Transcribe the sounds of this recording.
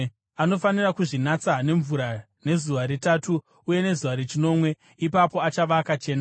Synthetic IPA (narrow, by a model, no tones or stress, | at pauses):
ano̞fanirakuʐinat͡sane̞ɱvuɾa | ne̞zuʋaɾetatuː | je̞ne̞zuʋaɾet͡ʃino̞mwe̞ | ipapo̞at͡ʃaʋakat͡ʃe̞ːna